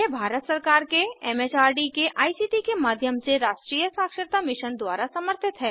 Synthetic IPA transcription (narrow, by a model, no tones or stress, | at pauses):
ebʱaːɾət̪səɾkaːɾkeɛːmeːt͡ʃaːɾɖikeʔaːisiːʈikemaːd̪ʱjəmseɾaːʃʈɾiːjəsaːkʃəɾt̪amɪʃənd̪waːɾasɐməɾt̪ʰɪt̪ɦɛː